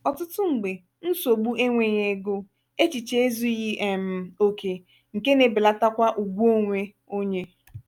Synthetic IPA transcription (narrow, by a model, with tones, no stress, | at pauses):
ɔ˨tʊ˦tʊ˦ŋ̩˨ɡ͡be˨ | n̩˦so˨ɡ͡bu˦ʔe˦ŋʷe˨ɲe˨ɡo˦ | e˦t͡ʃi˨t͡ʃe˦e˦zu˦ɣi˦ʔe˨m̩˨o˨kʰe˨ | ŋ̩˨ke˦ne˨bɪ˨la˦ta˦kʷa˦ʔu˨ɡʷo˦ŋʷe˦ | o˦ɲe˦